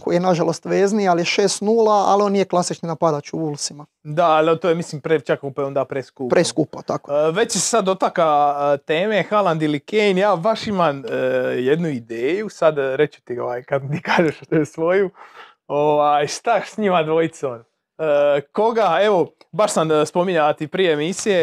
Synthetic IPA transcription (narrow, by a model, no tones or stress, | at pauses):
kojijenaʒalo̞st̪ʋeːznialijeʃeːst̪nuːlaa̰lio̞nijeklˠasit͡ʃninapad̪at͡ɕuulˠsima | d̪aalt̪oːjemisliːmpɾet͡ʃakakopaeo̞nd̪aːpɾeskupɾʔeskuːpat̪akoʋe̞t͡ɕese̥sad̪o̞t̪akat̪e̞ːmexalˠand̪ilikenjaːbaʃimanjed̪nuid̪eːjusad̪ɾe̞t͡ɕu̥t̪io̰ʋaːjkad̪t̪iːkaːʒeʃt̪oesʋo̞ju | o̞ʋaːjʃt̪asɲimad̪ʋo̞jit̪son | əko̞ɡaeʋo̞baʃsamspo̞miɲaʋat̪ipɾijeemisije̞